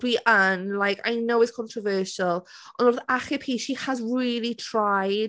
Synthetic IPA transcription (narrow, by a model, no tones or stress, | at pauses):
b̥iʔənlajkʰa̰jnowɪtskʰɔ̃ntʰɹɔvɜːˑʃəlˠ | ʔɔnɔrðaχɪpʰiːʃihazɹiːlˠitʰɹ̥ajd